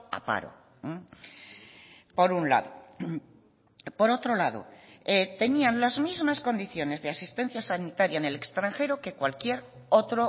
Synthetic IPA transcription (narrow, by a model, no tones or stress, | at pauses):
a̰pa̰ɾo̞̰ | po̞ɾunla̰ðo | po̞ɾo̞t̪ɾo̞laðo̞̰et̪e̞nianlazmizmasko̞nd̪iθjo̞ne̞zðe̞asist̪e̞nθjasanit̪aɾjaene̞le̞kst̪ɾaŋxe̞ɾo̞ke̞kwalkje̞ɾo̞t̪ɾo